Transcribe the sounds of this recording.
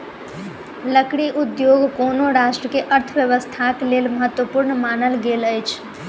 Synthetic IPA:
ləkɽiʔud̪joɡkonoɾasʈɾəkeʔəɾt̪ʰəʋjəʋəst̪ʰaklelməɦət̪wəpuɾnmanəlɡeləjt͡ʃʰ

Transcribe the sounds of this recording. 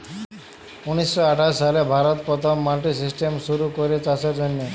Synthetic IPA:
unisːɔaʈʰasalebʱaɾɔt̪pɾɔt̪ʰɔmːalʈis̬isʈemʃuɾukoɾet͡ʃasɔɾd͡ʒonjɔ

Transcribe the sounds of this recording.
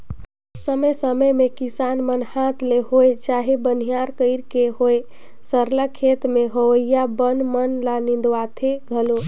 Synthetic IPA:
səməjsəməjmekisanmənhat̪ʰleɦojt͡ʃaɦebən̤ijaɾkəɪɾkeɦoj | səɾləkʰːet̪meɦəwəjjabənmənlanind̪at̪ʰeɡʱəlo

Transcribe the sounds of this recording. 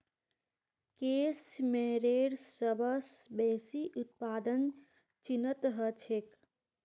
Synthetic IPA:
keːsmeːɾeːɽsːəbəsbɛːsiʔut̪̚paːd̪ən | t͡ʃinət̪ɦət͡ʃʰek

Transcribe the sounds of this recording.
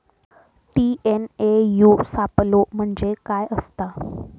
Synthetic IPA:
ʈienejusaplom̤əɳd͡zekajəst̪a

